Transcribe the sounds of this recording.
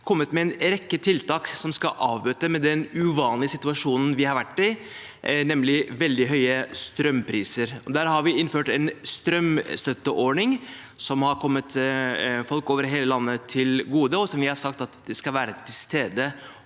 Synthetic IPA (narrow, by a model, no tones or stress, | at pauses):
kʰɔmːət̪mɛɛnɾɛkːət̪ʰɪlt̪ɑːksɔmskɑ̰ʔɑːʋbøːt̪əmɛd̪ɛnʉʋɑːnlɪəsɪt̪ʉɑʂuːnn̩ʋɪhɑɾʋæʈːɪ | nɛmlɪʋɛld̪ɪɦœʏəst̪ɾœmpʰɾiːsəɾɔd̪æːɾɦɑɾʋɪɪnføːʈɛnst̪ɾœmst̪œt̪ːəʔɔɳɪŋ | sɔmhɑɾkʰɔmːət̪ | fɔlkoːʋəɾɦeːləlɑnːət̪ʰɪlɡuːd̪əɔsɔmʋɪhɑɾsɑkt̪ɑt̪d̪ɛskɑʋæːɾət̪ʰɪlst̪eːd̪ə